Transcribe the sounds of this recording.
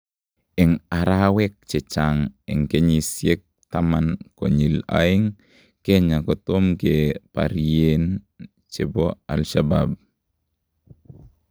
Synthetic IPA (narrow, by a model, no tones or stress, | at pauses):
ɛŋaɾawɛk̚t͡ʃɛt͡ʃaŋɛŋkeɲisjek̚tamanko̰ɲila̰iŋ | keɲakɔtomkepa̰ɾien | t͡ʃɛbɔa̰lʃaba̰b̚